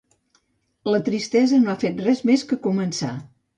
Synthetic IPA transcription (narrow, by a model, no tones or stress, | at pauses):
lət̪ɾist̪ɛzənoafet̪̚rɛzmeskəkumənsa̰